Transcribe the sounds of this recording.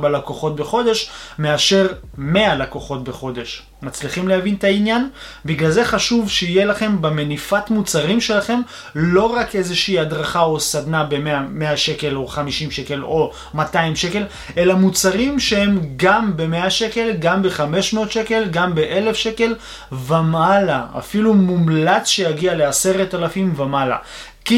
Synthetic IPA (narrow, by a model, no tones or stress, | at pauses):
balakoχo̞t̚be̞χo̞d̪e̞ʃme̞aʃe̞ʁ | me̞alakoχo̞t̚be̞χo̞d̪e̞ʃ | mat͡sliχimlehavint̪ainjan | biɡlalze̞χaʃuvʃeije̞laχe̞mbemenifatmut͡saʁimʃe̞laχe̞m | lo̞ʁake̞zeʃiːad̪ʁaχao̞sad̪nabe̞meame̞aʃe̞ke̞lo̞χamiʃimʃe̞ke̞lo̞ | mataimʃe̞ke̞l | e̞lamut͡saʁimʃehe̞mɡambe̞meaʃe̞ke̞lɡambeχame̞ʃmeot̪ʃe̞ke̞lɡambeʔe̞le̞fʃe̞ke̞l | vemalaa̰filumumlat͡sʃejaɡialease̞ʁetalafimvemala̰ | ki